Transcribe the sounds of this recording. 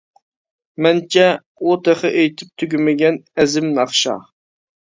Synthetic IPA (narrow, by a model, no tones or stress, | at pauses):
mɛnt͡ʃʰɛ | ot̪ʰeχɪʔejt̪ʰɪp̚t̪ʰyɡʲymɪɡʲɛnɛzɪmnɑχʃɑ̰